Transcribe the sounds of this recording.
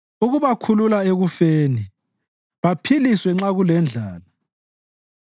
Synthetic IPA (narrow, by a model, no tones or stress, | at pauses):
uɣuβakʰululaeɣufeːni | βapʰiliswɛŋ͡ǁaɣulɛnd͡ɮʱaːla